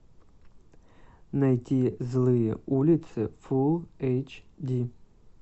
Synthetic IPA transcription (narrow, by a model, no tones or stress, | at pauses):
najtʰʲizlˠɨjɛ̰ulʲit̪sʰɨfulˠejt͡ʃʰdʲi